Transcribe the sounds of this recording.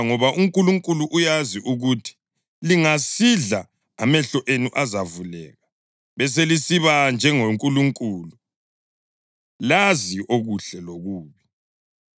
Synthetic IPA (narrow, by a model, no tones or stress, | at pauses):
ŋɔβaʔuŋkʼuluŋkʼuluʔujaziʔuɣutʰi̥ | liŋasiɮaː | mɛɬɔʔenuʔazavulɛ̰ːɣa | βɛs̬elisiβand͡ʒʱɛŋoŋkʼuluŋkʼuːlu | laziʔoɣuɬɛloɣuːβi